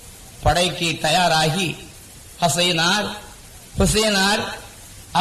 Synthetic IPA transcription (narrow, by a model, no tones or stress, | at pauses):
pɐɽɐɪkːit̪ɐjaːɾaːɣi | hɐsɐːnaːɾ | hʊseːnaːɾ | ɐ